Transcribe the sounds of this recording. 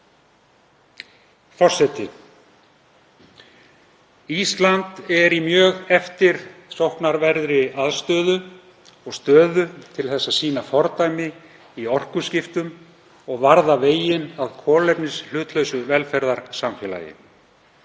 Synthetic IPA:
fɔr̥sɛt̪ɪ | ist̪lant̪ɛɾimjœːɣɛft̪ɪɾ̥sowhknaɾvɛɾðɾɪaðst̪œːðʏ | ɔɣst̪œːðʏt̪ʰɪlθɛsːasiːnafɔɾt̪ajmɪ | iɔr̥kʏscɪft̪ʏm | ɔɣvaɾðaveːjɪnaðkʰɔːlɛpnɪsl̥ʏːt̪lœɥsʏvɛlfɛɾðaɾ̥samfɛːla̰ːjɪ̰

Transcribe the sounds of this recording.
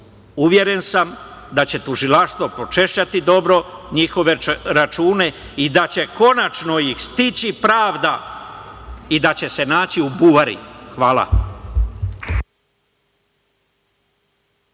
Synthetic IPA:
uʋje̞ɾe̞nsamd̪at͡ɕe̞t̪uʒilaʃst̪ʋo̞po̞t͡ʃe̞ʃt͡ɕat̪id̪o̞bɾo̞ɲixo̞ʋeɾat͡ʃuːne̞ | id̪at͡ɕe̞ko̞nat͡ʃno̞jixst̪it͡ɕipɾaːʋd̪a | id̪at͡ɕe̞se̞naːt͡ɕiubuʋaɾḭxʋaːla̰

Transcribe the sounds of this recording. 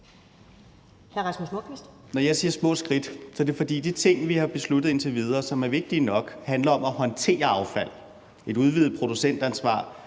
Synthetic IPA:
hæɐʁɑ̈smusmoɡ̥ʋisd̥ | nɒjɑ̈ɪsiːɐsmɔ̰̽sɡ̥ʁid̥sɒ̽d̥e̝fɒ̽d̥ḭːd̥it͡sʰe̝ŋ̰ʋihɑ̈b̥e̝slud̥ð̩ˠe̝nt͡sʰe̝ʋið̞ˠɐːsɒ̽mæɐʋe̝ɡ̥̚d̥iːnɒ̽ɡ̥hændlɐɒ̽mæhɒ̽nt͡sʰe̝̰ːɐɑ̈ʊfæl̰ | e̝d̥ɾuð̞ˠʋiːð̩ˠpʰʁo̝d̥usen̰d̥ænsʋɑ̰̈ː

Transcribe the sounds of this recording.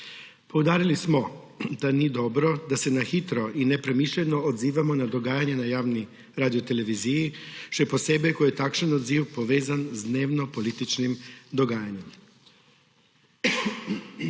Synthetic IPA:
powd̪aːɾilismo | d̪anid̪obɾod̪ase̞naxit̪ɾoʔinepɾe̞miʃʎʲenood̪ziːʋamonad̪o̞ɡaːjaɲenajaːʋni | ɾaːd̪iot̪e̞le̞ʋizijiʃt̪ojeposebɛkojet̪akʃanod̪ziːwpoʋeːzanzd̪neːʋnopolit̪it͡ʃnimd̪oɡaːjaɲem

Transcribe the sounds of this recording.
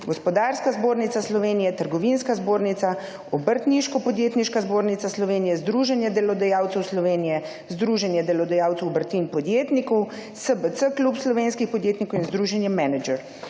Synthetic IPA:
ɡɔspɔd̪aːɾskazboːɾnit̪aslɔʋeːnijɛt̪əɾɡɔʋinskazboːɾnit̪sa | ɔbəɾt̪niʃkɔpɔd̪jeːt̪niʃkazboːɾnit̪aslɔʋeːnijɛzd̪ɾuːʒɛnjɛd̪ɛlɔd̪ajaːwt̪sɛwslɔʋeːnijɛ | zd̪ɾuːʒɛnjɛd̪ɛlɔd̪ajaːwt̪sɛwbəɾt̪inpɔd̪jeːt̪nikɔw | səbət̪səklupslɔʋeːnskixpɔd̪jeːt̪nikɔwinzd̪ɾuːʒɛnjɛmɛnɛd͡ʒɛɾ

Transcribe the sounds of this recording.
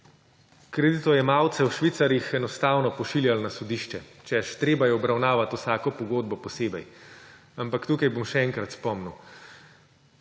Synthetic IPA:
kɾɛd̪it̪ɔjɛmaːwt̪sɛwʃʋit̪saɾjixɛnɔst̪aːwnɔpɔʃiljalnasɔd̪iʃt͡ʃɛt͡ʃɛʃt̪ɾeːbajɛɔbɾawnaːʋat̪usaːkɔpɔɡoːd̪̚bɔpɔseːbɛj | ampakt̪uːkajbomʃɛɛŋkɾat̪spɔmnu

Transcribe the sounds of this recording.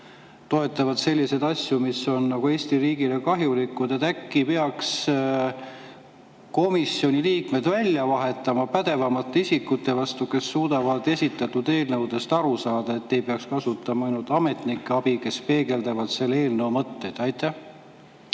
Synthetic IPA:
t̪o̞e̞t̪ːˑɑvɑd̪̥se̞lʲːise̞d̪̥ɑsʲjumiso̞nːɑɡ̥ue̞ːsʲt̪iriːɡ̥ile̞kɑɦjulikːˑud̪et̪ːækːipeɑks | ko̞misjo̞nʲiliːkme̞d̪vælʲːjɑvɑɦe̞t̪ːˑɑmɑpæd̪̥e̞vɑmɑt̪ːˑeisʲikːˑut̪ːe̞vɑst̪uke̞sːuːd̪̥ɑvɑd̪esʲit̪ːˑɑt̪ːˑud̪e̞ːlnɤwd̪̥e̞st̪ɑɾusɑːd̪̥ɑe̞t̪ːe̞jpeɑkskɑsut̪ːˑɑmɑɑjnult̪ˑɑme̞t̪nikːˑeɑb̥ike̞spe̞ːɡe̞ld̪ɑvɑd̪̥se̞lːee̞ːlnɤwmɤt̪ːe̞jd̪̥ɑjt̪ːˑæh

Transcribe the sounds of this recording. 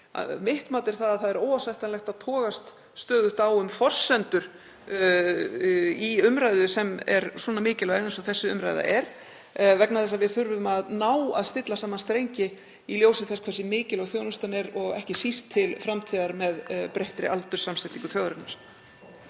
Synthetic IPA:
mɪht̪maːt̪ɪɾ̥θaðaθaðɛɾowasajht̪anlɛxt̪aðt̪ʰɔːɣast̪ | st̪œːɣðʏht̪awʏmfɔr̥sɛnt̪ʏɾ̥ | iʏmɾaːjðʏsɛmɛɾswɔːnamɪːcɪlɛðɪnsɔθɛsːʏʏmɾa̰jða̰ʔɛɾ̥ | vɛknaθɛsːavɪθʏɾvʏmaðnaːwa̰ðst̪ɪt̪lasaːmanst̪ɾejɲcɪ | iljoːwsɪθɛskʰvaːɾsɪmɪːcɪlaɣθjoːwnʏnst̪anɛɾɔɣɛhcɪsist̪ʰːɪlfɾamt̪ʰiːðaɾmɛðpɾejht̪ɾɪ̰ʔalt̪ʏ̥samsɪt̪iŋkʏ̥θjɔwðɾɪɾnaɾ̥

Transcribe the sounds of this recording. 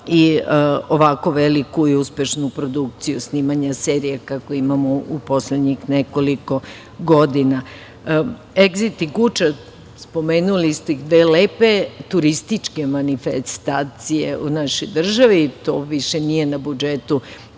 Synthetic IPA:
ioʋako̞ʋelikuiuspe̞ʃnupɾo̞d̪uk̚t̪sijusniːmaɲaseɾijakakoimamoupo̞sled̪ɲixneko̞liko̞ | ɡod̪ina | eɡzit̪iɡut͡ʃa | spo̞meːnulist̪oixd̪ʋeːleːpe̞t̪uɾist̪it͡ʃke̞manifest̪aːt̪sijḛʔunaʃojd̪r̩ʒaʋit̪o̞ʋiʃenije̞nabud͡ʒet̪u

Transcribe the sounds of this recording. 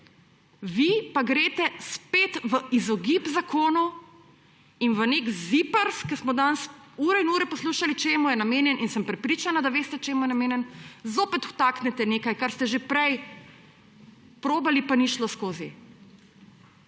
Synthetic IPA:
ʋipaɡɾeːt̪ɛspeːt̪ʋəizɔɡipzakʰoːnɔ | inʋənekzipəɾskəsmɔd̪ansuːɾɛinuːɾɛpɔsluːʃalit͡ʃeːmujɛnameːnjɛnʔinsəmpɾɛpɾiːt͡ʃanad̪aʋeːst̪ɛt͡ʃeːmujɛnameːnjɛnzoːpɛt̪wt̪aːknɛt̪ɛneːkajkaɾst̪ɛʒepɾɛj | pɾoːbalipaniʃlɔskoːzi

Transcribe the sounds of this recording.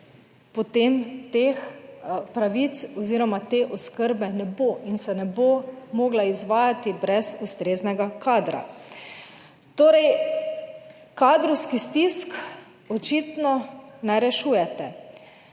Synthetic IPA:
pɔt̪eːmt̪eːxpɾaʋit̪sɔziːɾɔmat̪eʔɔskəɾbɛnɛboʔinsɛnɛbomoːɡlaizʋaːjat̪ibɾɛzust̪ɾeːznɛɡakaːd̪ɾa̰ | t̪oːɾɛj | kaːd̪ɾɔwskist̪isk | ɔt͡ʃiːt̪nɔnɛɾɛʃuːjɛt̪ɛ

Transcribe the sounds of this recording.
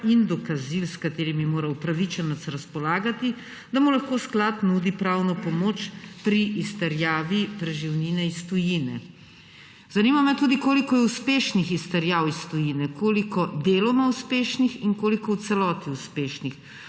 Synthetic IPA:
ind̪ɔkazilskat̪eːɾimimoːɾawpɾaʋit͡ʃɛnɔt̪sɾaspɔlaːɡat̪i | d̪amulaxkoːsklat̪nuːd̪ipɾawnɔpɔmoːt͡ʃpɾiʔist̪ɛɾjaːʋipɾɛʒiwninɛist̪ɔjinɛ̰ | z̥animamɛt̪ud̪ikoːlikɔjɛuspeːʃnixist̪ɛɾjaːwist̪ɔjinɛkoːlikɔd̪eːlɔmauspeːʃnixiŋkoːlikɔwt̪sɛlɔːt̪iuspeːʃnix

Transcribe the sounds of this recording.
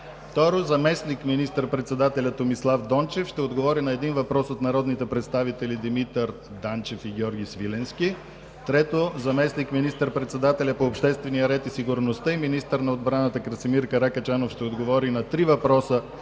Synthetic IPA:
ft̪ɔɾozɐmɛsnikminist̪əɾpɾɛt̪sɛd̪at̪ɛlʲɐt̪omislˠafd̪ɔnt͡ʃɛfʃt̪ɛod̪ɡovɔɾinɐɛd̪invɐpɾɔsot̪nɐɾɔd̪nit̪ɛpɾɛt̪st̪avit̪ɛlid̪imit̪əɾ | d̪ant͡ʃɛfiɡʲɔɾɡʲisvilɛnski | t̪ɾɛt̪ozɐmɛsnikminist̪əɾpɾɛt̪sɛd̪at̪ɛlʲɐpoːpʃt̪ɛst̪vɛnijəɾɛt̪isiɡuɾnost̪əiminist̪əɾnɐod̪bɾanət̪əkɾɐsimiɾkɐɾakɐt͡ʃanofʃt̪ɛod̪ɡovɔɾinɐt̪ɾivɐpɾɔsə

